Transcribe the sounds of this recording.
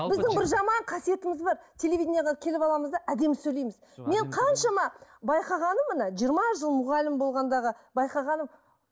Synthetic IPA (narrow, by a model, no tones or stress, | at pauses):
bɪzd̪ɪŋbɪɾʒɑmɑɴqʰɑsije̞t̪ɪmɪzbɑɾt̪ʲʰe̞le̞vʲid̪ɪnjeʁekʲʰe̞lɪpɑlˠɑməzd̪ɑʔæd̪e̞msɵjlejmɪz | me̞ɴqʰɑnʃɑmɑbɑjqɑʁɑnəmːənɑʒijəɾmɑʒəlˠmʊʁɑlɪmbo̞lˠʁɑnd̪ɑʁəbɑjqɑʁɑnəm